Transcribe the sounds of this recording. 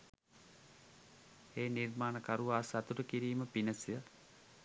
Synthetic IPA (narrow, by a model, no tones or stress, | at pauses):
eːnirmaːnəkaɾuʋaːsat̪uʈəkiɾiːməpinəsijə